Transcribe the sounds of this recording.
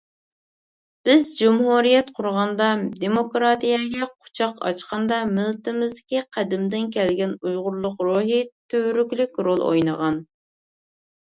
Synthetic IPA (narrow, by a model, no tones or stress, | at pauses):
b̥ɪzd͡ʒumhuɾijɛt̪qʰʊɾʁɑnd̪ɑd̪emokɾɑt̪ijɛɡʲɛqʰʊ̥t͡ʃʰɑqɑ̰t͡ʃqɑnd̪ɑmɪlˠt̪ɪmɪzd̪ɪkʲiqʰæd̪ɪmd̪ɪnkʲɛlɡʲɛnujʁʊɾlˠʊqɾuɦɪt̪ʰøɾykʲlykʲɾolˠo̰jnəʁɑn